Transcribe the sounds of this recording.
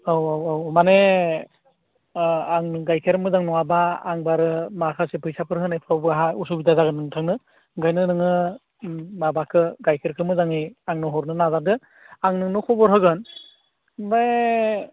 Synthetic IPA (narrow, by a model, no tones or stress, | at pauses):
awawawmane | aŋɯɡajkʰeɾmɯzaŋnɔabaːŋbaɾɯmaɾkʰasepʰɯjsapʰɯɾhɯnajpʰawbɯaɦaus̬ubidazaɡɯnːɯŋtʰaŋnɯ | ɡajnɯnɯŋɯ | mabakʰɯɡajkʰeɾkʰɯmɯzaŋeaŋnɔɦɔɾnɯnazadɯ | aŋnɯnɯkʰɔbɔɾɦɯɡɯn | baj